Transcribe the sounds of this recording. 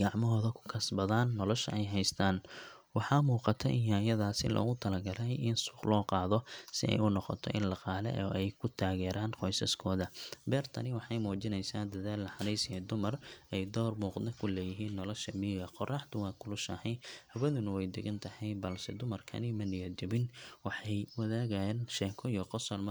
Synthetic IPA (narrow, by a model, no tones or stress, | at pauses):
ɡɑʕmɔɦɔːðɐkʰʊ̥kʰɐsbɐðaːnːɔlɔʃɐ̰ɛjɦɛjst̪ʰaːn | wɑħɑːmuːqɑt̪ʰɛʔɪjaːjɐðaːsɪ̰lɔ̰ːɣʊt̪ʰɐlɐɡɐɾɛjɪnsʊ̥qlɔːqɑːðɔsɪ̰ɛ̰jʊnɔqɔ̰t̪ʰɔ̰ʔɪ̰nlɑqɑːlɛ̰ʔɔʔɛjkʰʊt̪ʰaːɣɛːɾaːnqɔjsɐskʰɔːðɐbɛːrt̪ʰɐnɪwɑħɑjmuːt͡ʃɪnɛjsaːnd̪ɐðaːlːɐħɑnɛjsɪɛd̪ʊmɐrʔɛjd̪ɔːrmuːqnɛkʰʊlɛːjɪɦiːnːɔlɔʃɐmiːɣɐqɔrɑħt̪ʊwɑːkʰʊlʊʃɐhɛjhɐβɐðʊnʊwɛjd̪ɪɣɐnt̪ʰɐhɛjbɐlsɛd̪ʊmɐrkʰɐ̰nɪmɐnɪjɔd̪ɪβɪnwɑħɑjwɐðaːɣajɛːnʃɛːŋkʰɔijɔqɔsɐlm